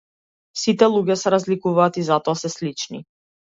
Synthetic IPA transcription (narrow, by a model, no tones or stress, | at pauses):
sit̪ɛlˠuɟʲɛsɛɾazlikuvaːt̪izat̪ɔasɛslit͡ʃnḭ